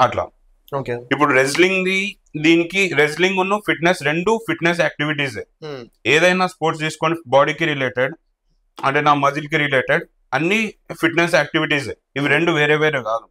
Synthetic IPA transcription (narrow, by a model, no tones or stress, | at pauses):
ɐʈla̰ː | okeip̬ːuɽuɾed͡ʒliŋɡd̪i | d̪iːnikiɾed͡ʒ̬liŋɡunːɐpʰiʈnesɾeɳɖupʰiʈnes̬aːk̚ʈiʋiʈ̬iːseeːd̪ɐjnaːspoːɾʈst̪iːsu̥koːnibaːɽikiɾileːʈeɖ | ɐ̰ɳʈeːnaːmɐd͡ʒilikiɾileːʈeɖ | ɐnːipʰiʈnes̬aːk̚ʈiʋiʈiːse | iʋiɾeɳɖuʋeːɾeːʋeːɾeɡaːd̪u